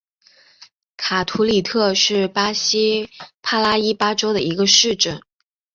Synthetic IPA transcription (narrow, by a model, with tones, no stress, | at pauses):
kʰa˨˩t̪ʰu˧˥li˨˩t̪ʰɤ˥˧ʂɻ̩˥˩pa˥ɕi˥pʰa˥˩la˥i˥pa˥ʈ͡ʂo˥ʊd̪ə˨i˧˥ɡə˧ʂɻ̩˥˧ʈ͡ʂə˥˩˦n